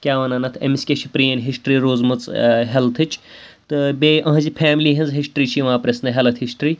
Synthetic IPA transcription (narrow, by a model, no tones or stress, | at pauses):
kʲaːʋɐnɐnɐt̪ʰḛmiskʲet͡ʃʰipɾiːɐnʲɦisʈɾiːɾoːzmɐt͡sɦelt̪ʰɨt͡ʃʰt̪ɨbeʔɐ̃ɦzipʰæːmliːɦinzɦisʈɾiːt͡ʃʰiʋãːpɾesnɨɦɐlɐt̪ʰhisʈɾiː